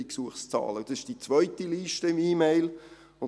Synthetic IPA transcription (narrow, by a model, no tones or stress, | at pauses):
iksuəχst͡sɑ̰ːləd̥ɑsɪʃd̥it͡sʋœʏt̪iliːʃtəɪmiːmeɪl | ʊn